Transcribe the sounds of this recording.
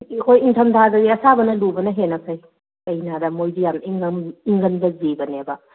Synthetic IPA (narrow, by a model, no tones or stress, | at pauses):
kʰojiŋtʰɐmtʰazɐɡiɐsabɐnɐlubɐnɐɦenɐkʰɐj | ɐjnadɐmojdijamiŋɡmiŋɡɐnbɐzebɐnebɐ